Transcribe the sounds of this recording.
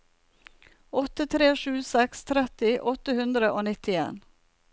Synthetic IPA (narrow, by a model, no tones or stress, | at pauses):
ɔt̪ət̪ʰɾeːʃʉːsɛkst̪ʰɾɛt̪ɪʔɔt̪əhʉnd̪ɾəʔoːnɪt̪ɪḛːn